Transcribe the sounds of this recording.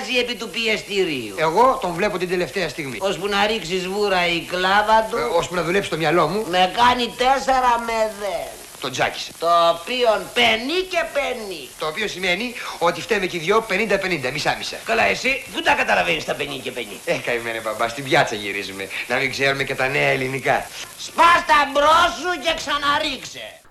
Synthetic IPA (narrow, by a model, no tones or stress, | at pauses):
zie̞pit̪upiest̪iɾiṵe̞ɣo̞t̪o̞nvle̞pot̪ind̪e̞left̪eɐst̪iɣmḭospunɐɾiksizvuɾɐiklɐvɐt̪uospunɐðulepst̪omɲɐlo̞mume̞kɐnit̪eseɾɐmeðen | t̪ond͡zɐ̰ci̥se̥t̪oːpio̞npenice̞penit̪oːpiosime̞nio̞t̪ift̪emeciðʝo̞pe̞nind̪ɐpe̞nind̪ɐmisɐmisɐ̰kɐlɐe̞siðund̪ɐkɐt̪ɐlɐvenist̪ɐpenicepenḭekɐimenebɐbɐst̪ibʝɐt͡sɐʝḭɾizumenɐmiŋɡzeɾumecet̪ɐneɐelinikɐ̰spɐst̪ɐbɾosuce̞ksɐnɐɾiksḛ